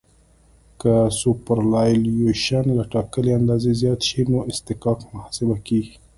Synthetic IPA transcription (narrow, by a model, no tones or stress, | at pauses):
kasupəɾlɑjljoʃanlaʈɑkəleand̪ɑzezjɑt̪ʃinoʔɪst̪ɪkɑkmahsɪbakiɡi